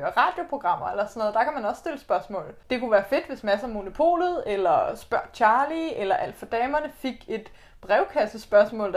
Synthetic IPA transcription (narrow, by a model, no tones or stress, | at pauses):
ɐʁɑ̈ːd̥jo̝pʰʁo̝ɡ̥ʁɑ̈m̰ɐelɐsɔnoðˠd̥ɑ̈kʰæmænɒ̽ssd̥e̝ləsb̥ɶɐsmɔ̰̽ːl̩ˠd̥e̝kʰuʋæːɐfe̝d̥ʋe̝smæsəæmo̝no̝pʰo̝̰ːlð̩ˠelɐsb̥ɶɐ̰̥t͡ɕʰɑ̈ːlielɐʔæl̰d̥fɒ̽d̥ɛːmɐnəfe̝ɡ̥e̝d̥ | b̥ʁɛʊkʰæsəsb̥ɶɐsmɔ̰̽ːl